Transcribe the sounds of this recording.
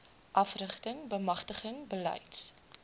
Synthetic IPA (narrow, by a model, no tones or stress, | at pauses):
ʔɐfrəχtəŋbəmɐχtəχəŋbəlɛ̰jts